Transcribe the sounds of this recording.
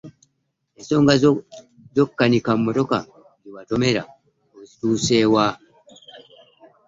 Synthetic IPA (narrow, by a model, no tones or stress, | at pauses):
esoŋɡa | zɔkːanikamːotɔka̰ | ŋiwatɔmeɾa̰ | ozitusewa